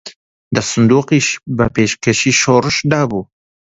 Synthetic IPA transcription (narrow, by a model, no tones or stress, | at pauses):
d̪əsʊnd̪uːqiʃbəpeʃkeʃiʃoɾʃd̪ɑːbu